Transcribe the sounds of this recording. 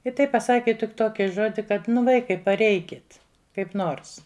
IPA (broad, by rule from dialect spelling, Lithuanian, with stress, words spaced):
ɪ ˈtɐɪp pɐˈsɑːkʲɪ tʲɪk ˈtoːkʲɪ ˈʒoːdʲɪ kɐt ˈʋɐɪkɐɪ pɐˈrʲɛɪkʲɪt kɐɪp ˈnoːrs